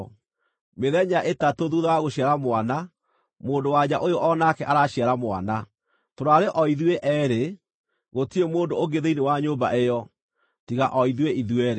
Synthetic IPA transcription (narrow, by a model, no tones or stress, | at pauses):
meðɛɲaʔetatoðuðaaɣoɕiaɾamwana | moːndowaɲaʔojoʔɔnakɛʔaɾaɕiaɾamoa̰na | toɾaɾeʔɔiðueʔɛːɾe | ɣotiemoːndooɡeðeinewaɲoba̰ʔejɔ | tiɣa̰ʔɔiðweʔiðuɛɾe